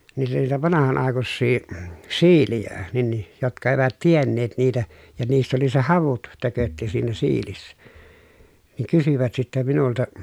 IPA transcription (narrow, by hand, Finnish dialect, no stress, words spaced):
niːtæ niːtæ ʋɑnɑhɑn ɑˑekusːiː siːlijæ nin ni jotkɑ eʋæt tienːeːt niːtæ jɑ niːsːæ oli se hɑʋut tøkøtːi siːnæ siːlisːæ niːŋ kysyʋæt sitːæ minultɑ